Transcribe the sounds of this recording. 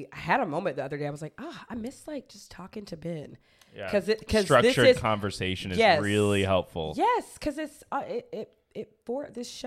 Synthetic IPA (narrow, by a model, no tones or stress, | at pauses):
aɪɨɾəmõʊ̃mɨ̃nðiʌðə˞deɪaɪwʌzlaɪkʌaɪmɪsˡlaɪk̚d̥ʒ̥ʌstʰɔkɪ̃ŋtʰɨbɪ̃n | kʰʌzɪtkʰʌzɹ̥ʌðɪt͡ʃə˞ɨkʰɑ̃ɱvə˞seɪʃɨ̃nɨjzɛɹɪlˠihɛlˠpfl̩ˠjɛskʰʌzɪtsɪɾɪt̚ | ɪt̚fɔ˞ðɪsʃ